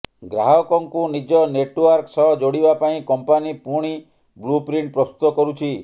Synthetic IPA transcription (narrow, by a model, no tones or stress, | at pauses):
ɡɾaɦɔkɔŋkunid͡ʒɔneʈwaɾksɔɦɔd͡ʒoɽibapaĩkɔmpanipuɽ̃i | blupɾiɳʈ̚pɾɔst̪ut̪ɔkɔɾut͡ʃʰi